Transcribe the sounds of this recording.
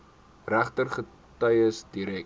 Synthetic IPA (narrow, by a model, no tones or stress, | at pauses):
ræχtərχə | tɐjəsdiɾɛ